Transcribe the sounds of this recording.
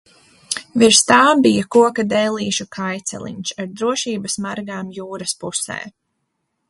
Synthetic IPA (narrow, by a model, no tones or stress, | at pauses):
viɾst̪aːbijakuɔkad̪ɛːlˠiːʃukʰajt̪sɛ̰lˠḭɲʃaɾd̪ɾuɔʃiːbɐsmaɾɡaːmjuːɾɐspusɛ̰ː